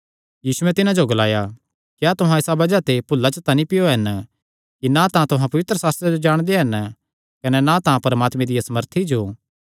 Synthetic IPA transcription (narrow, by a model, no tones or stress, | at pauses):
jiːsuɛ̃t̪ɪnãd͡ʒoɡɐlaːja | kjat̪ʊɦãɪsabɐd͡ʒat̪epʊlːat͡ʃət̪anĩpɪjoɦɐn | kinat̪ãt̪ʊɦãpɐʋɪt̪ɾəsaːst̪ɾed͡ʒod͡ʒaːɽ̃d̪eɦɐn | kɐnɛnãt̪ãpɐɾəmaːt̪mẽd̪ijasɐməɾt̪ʰid͡ʒoː